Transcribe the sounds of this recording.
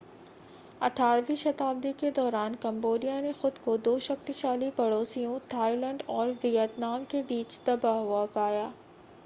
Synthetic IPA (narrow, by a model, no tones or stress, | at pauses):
ɐʈʰaːɾʋiʃɐt̪aːbd̪iked̪ɔːɾaːnkɐ̃mboːlijanexʊd̪kod̪oːʃɐxt̪iʃaːlipɐɽoːsijõt̪ʰaːilə̃ːɳɖɔːɾʋɪjət̪naːmkebiːt͡ʃt̪ɐbaɦɦuapaːjaː